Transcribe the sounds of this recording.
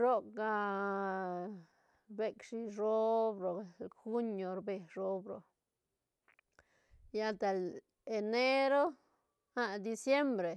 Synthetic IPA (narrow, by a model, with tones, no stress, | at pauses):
ɾo˦kɡa˧ | be˦kʂi˧ɾo˦bɾo˨xu˦ɲo˨ɾbe˨ɾo˦bɾo̰˨ | ja˦lt̪e˨l | e˨ne˦ɾo˦ | ha˦d̪i˧sje˦mbɾe˨